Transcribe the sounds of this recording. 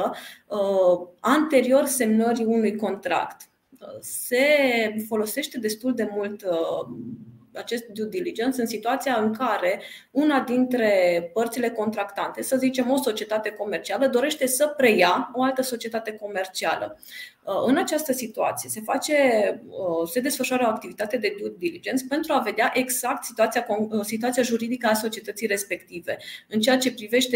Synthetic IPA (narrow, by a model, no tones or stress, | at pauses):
ant̪e̞ɾio̞rse̞mnəɾiunujko̞nt̪ɾa̰kt̪ | se̞fo̞lo̞se̞ʃt̪ed̪e̞st̪uld̪e̞mult̪ | at͡ʃe̞st̪̚d̪ud̪ilid͡ʒe̞nt̪sɨnsit̪uat̪sijaɨŋkaɾe̞unad̪int̪ɾe̞pərt̪sile̞ko̞nt̪ɾakt̪ant̪e̞səzit͡ʃe̞mo̞so̞t͡ʃie̞t̪at̪e̞ko̞me̞rt͡ʃialəd̪o̞ɾe̞ʃt̪e̞səpɾe̞jao̞alt̪əso̞t͡ʃie̞t̪at̪e̞ko̞me̞rt͡ʃia̰lə̰ | ɨnat͡ʃast̪əsit̪ua̰t̪sije̞se̞fat͡ʃe̞ | se̞d̪e̞sfəʃuaɾəo̞ak̚t̪ivit̪at̪e̞d̪e̞d̪ud̪ilid͡ʒent̪spe̞nt̪ɾuave̞d̪eaʔe̞ɡz̥ak̚t̪sit̪uat̪siakosit̪uat̪siaʒuɾid̪ikəaso̞t͡ʃie̞t̪ət̪sijɾe̞spe̞kt̪ive̞ɨnt͡ʃe̞jat͡ʃe̞pɾive̞ʃt̪e